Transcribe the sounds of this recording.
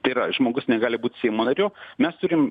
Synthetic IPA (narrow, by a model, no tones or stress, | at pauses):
t̪ɐɪɾɐʒmoːɡʊsnʲɛɡɑːlʲɪbuːtʲsʲɛɪmoːnɐɾʲoːmʲɛst̪ʊɾʲɪm